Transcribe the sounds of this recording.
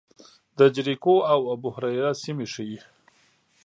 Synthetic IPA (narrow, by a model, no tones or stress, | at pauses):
d̪əd͡ʒɾikoawabʊhɾajɾasimeʂəji